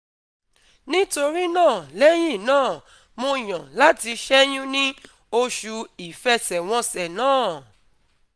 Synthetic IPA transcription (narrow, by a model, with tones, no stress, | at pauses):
nĩ˦to˧ɾi˦nãː˦˨lɛ˦j̃ĩ˦˨nãː˦˨ | mõ˧˨j̃ã˨la˦ti˧ʃɛ˦j̃ũ˦nĩ˦ | o˧ʃu˧i˨fɛ˦sɛ˨w̃ɔ̃˧sɛ˨nãː˦˨